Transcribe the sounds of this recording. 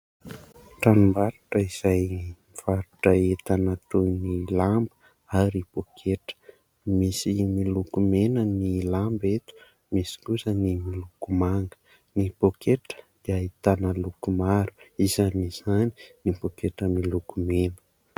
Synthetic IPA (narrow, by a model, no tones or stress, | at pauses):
ʈ͡ʂanumbaɾuʈ͡ʂəiz̥ajimiv̥aɾuʈ͡ʂəet̪anat̪onilambə̥ | aɾib̥okʰeʈ͡ʂə̥ | misimilukumenənilambet̪u̥ | misi̥kuzənimilukumaŋɡə̥ | nib̥okʰeʈ͡ʂə̥d̪̥iait̪anəlukumaɾuizaniz̥ani̥nibokeʈ͡ʂəmilukumenə̥